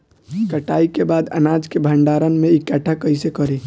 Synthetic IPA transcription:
kəʈaikebad̪ə̰nad͡ʒkebʱəɳɖaɾənmeikɛʈʰakəjsekəɾe

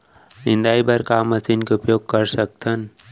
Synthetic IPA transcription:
nɪ̃nd̪aːibəɾkaːməsinkeʊpjoːɡ̚kəɾsək̚t̪ʰən

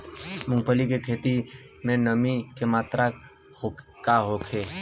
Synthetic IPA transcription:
mʊ̃ŋɡ̚pəlikekʰeːt̪i | mẽnəmikemaːt̪ɾa | hokaɦokʰe

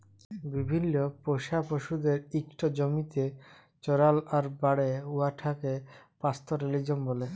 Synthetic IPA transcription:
bibʱinːopoʃapoʃud̪eɾikʈʰod͡ʑomit̪e | t͡ɕɔɾalaɾbaɽeuaʈʰakepast̪ʰoɾelid͡ʑonbole

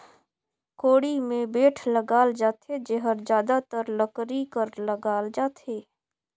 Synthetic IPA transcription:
koːɽimẽbeːʈʰləɡaːld͡ʒaːt̪ʰed͡ʒeɦəɾd͡ʒjaːd̪at̪əɾləkɾikəɾləɡaːld͡ʒaːt̪ʰɦeː

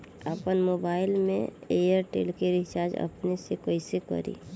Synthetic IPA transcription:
əpənmoːbaːɪlmḛ̃eːjəɾʈḛːlkeɾɪt͡ʃaːd͡ʒə̰pnesekoɪsekə̰ɾḭː

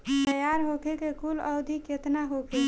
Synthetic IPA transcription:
t̪əjaɾɦokʰekekuləwd̪ʱiket̪naɦokʰe

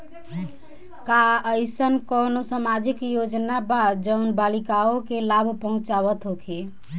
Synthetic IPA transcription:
kaəɪsənkɔnosamad͡ʒikjod͡ʒnabad̪d͡ʒəʊnbalikaokelabʱpəɦʊ̃t͡ʃaβət̪ɦokʰe

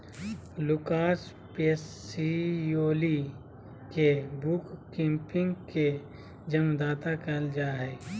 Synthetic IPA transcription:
lʊkaːs | peːs | ijoːli | kebukkɪ̃mpɪ̃ŋɡke | d͡ʒəmd̪aːt̪akɐld͡ʒaːɦɛː

